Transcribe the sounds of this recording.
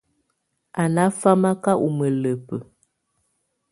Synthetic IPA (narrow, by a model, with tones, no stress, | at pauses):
ʔa˨na˨˦fa˦ma˦ka˦ʔu˨mə˨lə˨pə˨